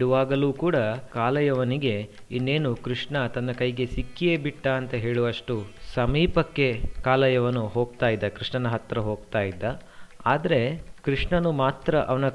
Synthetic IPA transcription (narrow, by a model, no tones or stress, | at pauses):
iɽuʋaːɡɐluːkuːɽɐkaːlɐjɐʋɐniɡe̞ | inːe̞ːnukɾiʂɳɐt̪ɐnːɐkɐjɡe̞sikːijeːbiʈːɐːnt̪ɐɦe̞ːɭuʋɐʂʈusɐmiːpɐkːe̞kaːlɐjɐʋɐnuɦo̞ːɡt̪aːjid̪ːɐkɾiʂɳɐnɐɦɐt̪ɾɐɦo̞ːɡ̚t̪aːjid̪ːɐaːd̪ɐɾe̞kɾiʂɳɐnumaːt̪ɾɐʔɐʋɐnɐ